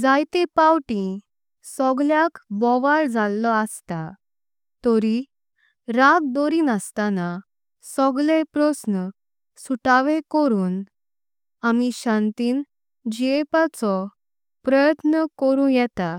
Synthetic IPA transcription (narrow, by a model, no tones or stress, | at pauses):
d͡zajt̪epawʈĩ | sɔɡljakbɔʋaɭd͡zʱalːɔəst̪a | t̪ɔɾi | ɾaɡ̚d̪ɔɾiːnəst̪ana | sɔɡlepɾɔsnə | suʈaʋẽkɔɾuːn | amiɕãnt̪iːn | d͡ʑiepat͡sɔ | pɾəjət̪nəkɔɾũjɛt̪a